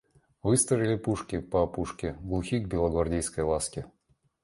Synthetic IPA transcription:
vɨst̪ɾəvʲɪlʲɪpuʂkʲɪpɐɐpuʂkʲɪɡlˠuxʲiɡ̚bʲɪlˠəɡvɐrdʲejskəjlˠaskʲɪ

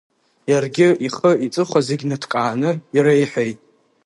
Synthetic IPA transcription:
jarɡʲɪiχəit͡sʼɨχʷazeɡʲnɨtʰkʼaːnɨiɾajħʷᶣejtʼ

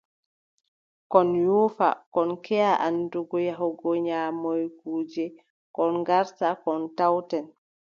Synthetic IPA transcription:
kɔnjuːfa̰kɔnkɛaʔanduɡɔjaɦɔɡɔɲaːmɔjkuːd͡ʒɛ | kɔnɡaɾtakɔntawtɛn

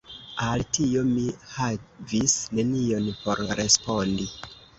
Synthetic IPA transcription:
altio̞mihavisne̞nio̞npo̞ɾɾe̞spo̞ndi

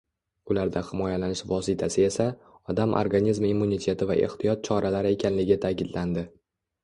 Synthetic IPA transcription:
ʊlaɾd̪ahɪmɒjalanɪʃvɒsɪt̪ʰasɪe̞sa | ɒd̪amʔo̰ɾɡanizmimːunit̪ʰe̞t̪ʰɪva̰ʔe̞̰ht̪ʰɪjɒt̪̚t͡ʃʰɒɾalaɾɪe̞kʲʰanlɪɡʲt̪ʰakʲɪd̪land̪ɪ

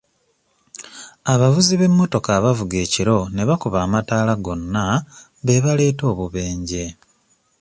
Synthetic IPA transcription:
aβavuziβe̞mːo̞to̞kaːβavuɡe̞ːciɾo̞ne̞βakuβaːmataːlaɡo̞nːa | βe̞βale̞ːto̞ːβuβe̞ːɲɟe̞

